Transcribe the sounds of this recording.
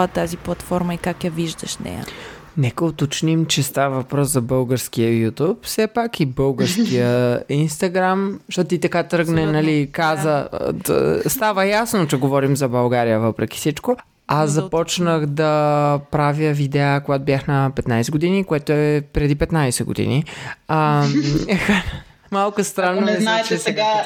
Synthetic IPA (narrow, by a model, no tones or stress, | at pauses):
ət̪ːaziplˠɐt̪fɔɾmɐikakjɐviʒd̪ə̰ʃnɛ̰jə̰ | nɛkəot̪ot͡ʃnimt͡ʃɛst̪avəvɐpɾɔszɐbɤlˠɡəɾskiəjut̪upfsɛpakibɤlˠɡəɾskijəinst̪ɐɡɾamʃt̪ot̪t̪it̪ɐkat̪ɾɤɡnɛnɐlikazə | st̪avəjasnot͡ʃɛɡovɔɾimzɐbɐlˠɡaɾijəvəpɾɛk̟i̥sit͡ʃko | aszɐpɔt͡ʃnəxd̪ɐpɾavjəvid̪ɛakoɡat̪obʲjaxnɐpɛt̪najsɛɡod̪inikoɛt̪oɛpɾɛd̪ipɛt̪najsɛɡo̰d̪ḭnia | x | malˠkʊst̪ɾanːomɛt͡ʃɛsɛɡa